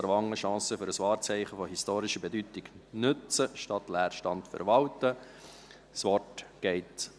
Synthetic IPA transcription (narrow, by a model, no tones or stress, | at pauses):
ɾʋɑŋːəʃɑ̃ːsəfʏɾəsʋɑːɾt͡sɛɪχəfɔhistoːɾɪʃəbɛdytɪɡnɵt͡səʃtɑtlæːɾʃtɑntfɛ̰ɾʋɑltə | sʋɔrtɡ̥ɛɪt